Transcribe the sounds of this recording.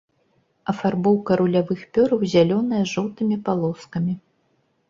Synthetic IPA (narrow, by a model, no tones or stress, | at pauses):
ɐfarbɔwkɐɾulʲavɨxpʲɔɾɐwzʲalʲɔnɐjɐʐɔwt̪ɨmʲipalˠɔskɐmʲi